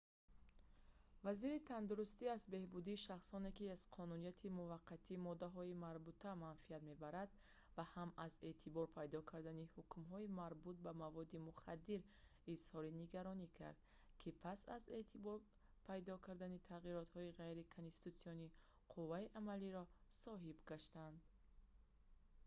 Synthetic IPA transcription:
vaziɾit̪ʰand̪uɾust̪iazbe̞hbud̪iːʃaχsɔne̞kiaz̥qʰɔnunijat̪ʰimuvaqʰːat̪ʰimɔd̪aɦɔimaɾbut̪ʰamanfiat̪me̞baɾad̪ | vahamaze̞t̪ʰibɔɾpʰajd̪ɔkʰaɾd̪anihukmɦɔimaɾbut̪̚bamavɔd̪imuχad̪ːiɾizhɔɾiniɡaɾɔnikʰa̰ɾd̪̚ | kʰipʰasa̰ze̞t̪ʰibɔɾ | pʰajd̪ɔkʰaɾd̪anit̪ʰaʁiɾɔt̪hɔiʁajɾikʰonst̪i̥t̪ut̪siɔni | qʰuvːaiʔamaliɾɔsɔɦibɡaʃt̪and̪

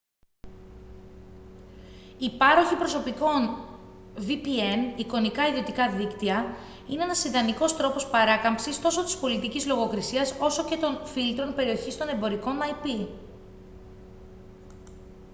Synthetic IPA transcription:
ipɐɾo̞çipɾo̞so̞piko̞n | vipie̞niko̞nikɐiðio̞t̪ikɐðikt̪iɐ | inee̞nɐsind̪ɐniko̞st̪ɾo̞po̞spɐɾɐkɐmpsist̪o̞so̞t̪ispo̞lit̪icizlo̞ɣo̞kɾisiɐso̞so̞ce̞t̪o̞nfilt̪ɾo̞npe̞ɾio̞çist̪o̞ne̞mbo̞ɾiko̞nɐjpi

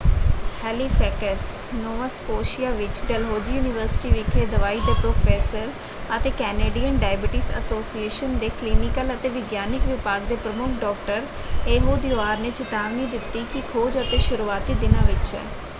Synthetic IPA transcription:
hɛːliːfʰɛːkəs | noːʋaskoːʃijaːʋɪt͡ʃɖəlɦoːd͡ʒiːjuːnɪʋəɾsɪ̥ʈiʋɪkʰeːd̪əʋaːiːd̪eːpɾoːfʰeːsəɾ | ət̪eːkɛːneːɖijənɖaːɪbɪʈɪsə̰soːsieːʃənd̪eːkliːnɪkələt̪eːʋɪɡjaːnɪkʋɪpaːɡd̪eːpɾəmʊkʰɖɔːkʈəɾeːɦoːd̪joaːɾneːt͡ʃɪt̪aːʋnĩd̪ɪt̪ːikikʰoːd͡ʒət̪eːʃʊɾuaːt̪iːd̪ɪnãːʋɪt͡ʃɦɛ̰ː

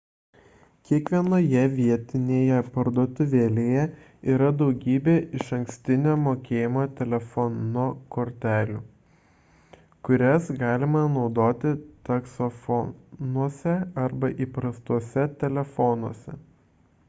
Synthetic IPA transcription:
kʲiɛkʋʲiɛnoːjɛʋʲiɛt̪ʲɪnʲeːjɛpɐɾd̪oɔt̪ʊʋʲeːlʲeːjɛ | iːɾɐd̪ɒʊɡʲiːbʲeːʔɪʃɐŋksʲt̪ʲɪnʲoːmoːkʲeːjɪmoːt̪ʲɛlʲɛfɔnokoːɾʲt̪ʲæːlʲuː | kʊɾʲɛsɡɑːlʲɪmɐnɒʊd̪oːt̪ʲɪt̪ɐksofɔnuɔsʲɛɐɾbɐʔiːpɾɐst̪uɔsʲɛt̪ʲɛlʲɛfɔnuɔsʲɛ

